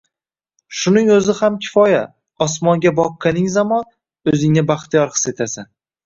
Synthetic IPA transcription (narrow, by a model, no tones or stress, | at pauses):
ʃʊnɪŋɵzɪhamkʲʰɪ̥fɒja | ɒsmɒŋɡʲabɒqʰːɨlɪŋzamɒn | ɵzɪŋnɪbaχt̪ijɒɾqɨ̥se̞t̪ʰasɪn